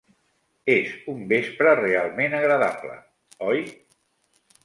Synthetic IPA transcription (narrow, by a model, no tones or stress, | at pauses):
ezumbespɾərealˠmenəɣɾəðablə̰ | ɔj